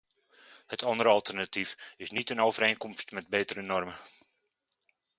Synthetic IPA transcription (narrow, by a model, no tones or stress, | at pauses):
hətʰɑndəɾəɑlˠtʰərnatifɪsnitənowvəɾeːnkɔmstmɛt̚beːtəɾənɔrmə